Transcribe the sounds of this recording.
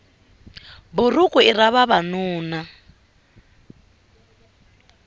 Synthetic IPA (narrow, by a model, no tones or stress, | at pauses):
bʊrukʼuiraβaβanuːna